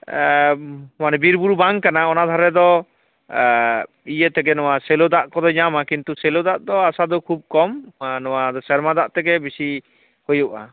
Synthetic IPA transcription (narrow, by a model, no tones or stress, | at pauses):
manɛbiɾbuɾubaŋkanaɔnad̪ʱaɾɛd̪ɔ | ijət̪ɛɡɛnɔwasɛlod̪aʔkɔd̪ɔɲamakint̪usɛlod̪aʔd̪ɔasad̪ɔkʰub̚kɔmnɔwad̪ɔsɛɾmad̪aʔt̪ɛɡɛbisi | hojuʔa̰